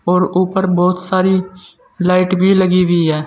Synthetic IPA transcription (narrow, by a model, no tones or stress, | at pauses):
ɔːɾuːpəɾbɔːt̪saːɾiː | laːɪʈbʱiːləɡiːʋiːɦɛː